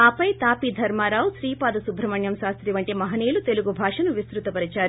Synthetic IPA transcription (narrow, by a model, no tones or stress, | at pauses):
aːpɐjt̪aːpid̪ʱɐɾmaːɾaːwsɾiːpaːd̪ɐsubʱɾɐmɐɳjɐmʃaːst̪ɾiʋɐɳʈimɐɦɐneːlut̪e̞luɡubʱaːʂɐnuʋist̪ɾut̪ɐpɐɾɐt͡ʃaːɾu